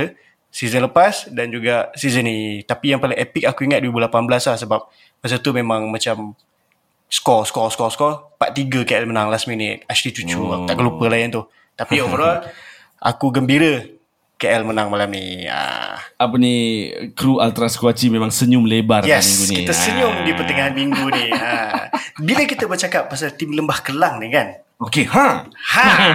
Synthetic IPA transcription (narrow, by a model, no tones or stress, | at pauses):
sizənləpasdand͡ʒuɡaʔsizənit̪apijaŋpaliŋepik̚akuiŋat̪̚duibulapanblaslahsəbap̚ | mas̬at̪umemaŋmãt͡ʃam | skɔskɔskɔskɔpaʔt̪iɡəkeʔɛlmənaŋlastminɪt̪̚at͡ʃlit͡ʃut͡ʃuakut̪aʔkəlupəlajənt̪u | t̪apiovəɾɔl | ʔa̰kuɡəmbiɾə | keʔɛlmənaŋmalamnḭə̰ap̬ənikɾualt̪ɾaskuat͡ʃimemaŋsəɲʊmlebarjɛsmiŋɡunikit̪əsəɲʊmdipərt̪əŋaɦnmiŋɡuniəbiləkit̪əbərt͡ʃakap̚ːas̬alt̪imləmbahkəlaŋnikan | okehaha